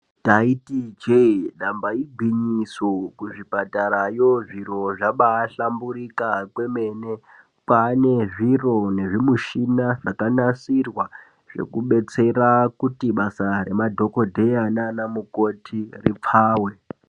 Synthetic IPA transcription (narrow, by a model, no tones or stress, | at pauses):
taitid͡ʒeɗambaiɡʱwiɲisokuʐipataɾajoʐiɾo̞ʐaɓaːɬambuɾikakweme̞ne̞ | pane̞ʐiro̞ne̞ʐimuʃinaʐakanasirwa | ʐ̥e̞̰kuɓe̞t͡se̞rakutiɓasare̞madʱo̞ko̞dʱe̞jananamuko̞tʰirip͡fʰaːwe